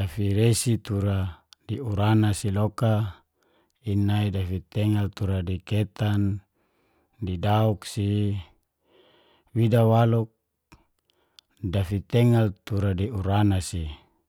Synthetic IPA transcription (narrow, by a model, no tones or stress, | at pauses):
afiɾesit̪uɾadiuɾanasiloka | inaidafit̪ɛŋalt̪uɾadiket̪an | didauksi | widawaluk̚ | dafit̪ɛŋalt̪uɾadiuɾanasi